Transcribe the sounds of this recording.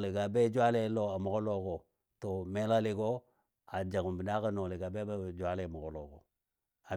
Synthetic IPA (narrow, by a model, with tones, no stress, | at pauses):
li˨ɡa˨be˦d͡ʒa˦le˦lo˦a˨mo˨ko˦lo˦ɡo˨ | to˨me˦la˦li˨ɡo˦ | a˨d͡ʒa˨ɡu˨mbi˨na˦ka˦no˨li˨ɡa˨be˦bd͡ʒwa˦le˨mo˨ɡo˨lo˨ɡo̰˨ | a˨